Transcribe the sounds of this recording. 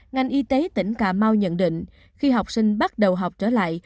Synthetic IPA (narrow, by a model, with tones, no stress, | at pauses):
ŋa˨˩jʔi˧t̪e˨˦t̪ï˧˩ŋ̟kaː˧˩ma˧wɲə̰˧˨nɗḭ̈˧˨ŋ̟ | xi˧ɦa˨˩wk͡p̚sï˧ŋ̟ɓa˦˥t̚ɗə˨˩wɦa˨˩wk͡p̚t͡ɕəː˧˩la̰ː˧˨j